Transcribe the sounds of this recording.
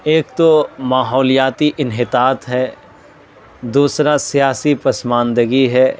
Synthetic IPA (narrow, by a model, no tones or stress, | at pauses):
eːk̚t̪omaːɦɔːlijaːt̪iʔɪnɦɪt̪aːt̪ɦɛː | d̪uːsɾasijaːsipɐsmãːnd̪əɡiɦɛː